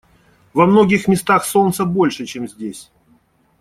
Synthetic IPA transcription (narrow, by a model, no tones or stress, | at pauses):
vɐmno̞ɡʲɪxmʲɪst̪axso̞nt̪səbo̞lʲʂɨt͡ɕe̞mzʲdʲesʲ